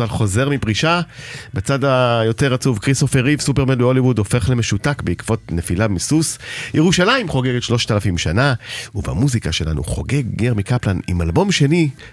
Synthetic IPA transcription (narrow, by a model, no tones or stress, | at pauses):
alχo̞ze̞ʁmipʁiʃabet͡sadajo̞te̞ʁat͡suvkʁisofeʁivsupemendeo̞livudo̞fe̞χle̞me̞ʃutakbeikv̥o̞tne̞filamisusjʔeʁuʃalaimχo̞ɡeɡetʃlo̞ʃtalafimʃanauva̰muzikaʃe̞la̰nṵχo̞̰ɡe̞ɡːeʁmikaplanimalbo̞mʃe̞ni